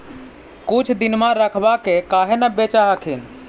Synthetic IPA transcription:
kut͡ʃʰd̪inmãɾəkʰbakekaːɦenəbet͡ʃaɦəkʰin

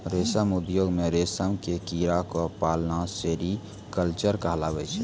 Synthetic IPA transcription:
ɾesəmud̪joɡmeɾesəmkekiɾakɔpalnaseɾi | kəlt͡ʃəɾkaɦlaɡɛt͡ʃʰɛ

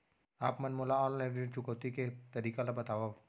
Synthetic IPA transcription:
apmanmulaɔllɛdit͡ʃukot̪ikɛt̪adikalabat̪awa

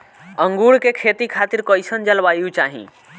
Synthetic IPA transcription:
ə̃ŋɡuɽkekʰet̪ikʰaːt̪iɾkɔjsənd͡ʒəlʋaːjut͡ʃaːɦḭ̃

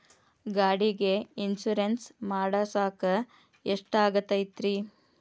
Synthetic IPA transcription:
ɡaːɽiɡeinsuɾensmaːɽɐsaːkɐ | eʂʈaːɡɐt̪ːɐjt̪ɾi

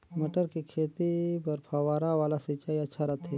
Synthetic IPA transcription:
mɐʈəɾkikʰeːt̪ipɐɾpʰaʋaːɾaʋaːlasit͡ʃaːiɐtːʃʰaɾɐt̪ʰɦɛ

